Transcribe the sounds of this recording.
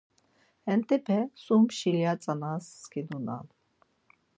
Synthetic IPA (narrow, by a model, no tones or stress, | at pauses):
hɛnt̪ɛpʰɛsumʃiljat͡sʼanaskʰid̪una̰ːd̪